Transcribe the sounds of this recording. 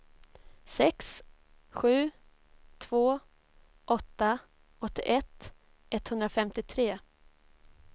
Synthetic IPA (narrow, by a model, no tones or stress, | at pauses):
sɛks | ɧʉ̟ː | t̪ʰv̥oː | ʔɔt̪ːa | ɔt̪ːɪʔɛt̪ | ʔɛt̪hɵnd̪ɾafɛmt̪ɪt̪ʰɾeː